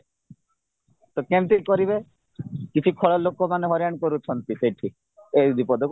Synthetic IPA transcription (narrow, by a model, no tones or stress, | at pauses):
t̪ɔkemt̪ikɔɾibe | kit͡ʃʰikʰɔɭɔlokɔmaneɦɔɾjaɽ̃kɔɾut͡ʃʰɔnt̪iseʈʰi | ed̪ipɔd̪ʱɔk